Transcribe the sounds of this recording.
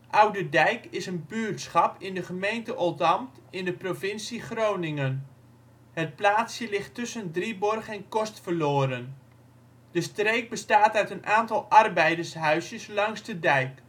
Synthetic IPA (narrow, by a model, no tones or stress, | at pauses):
ʔʌwdədɛjkɪsənbyːrtsχɑpɪndəχəmejntəʔɔlˠtɑmtɪndəprovɪnsiχrownɪŋən | hət̚plaːtsjəlɪχtːɵsəndribɔrχɛnkɔstfərloːɾən | d̥əstrejk̚bəstaːtœɥtənʔaːntɑlˠʔɑrbɛjdərsɦœɥsjəslɑŋsdədɛjk